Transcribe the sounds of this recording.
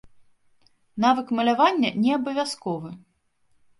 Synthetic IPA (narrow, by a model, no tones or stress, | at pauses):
navɨkmɐlʲavanʲːɐnʲɛabɐvʲaskɔvɨ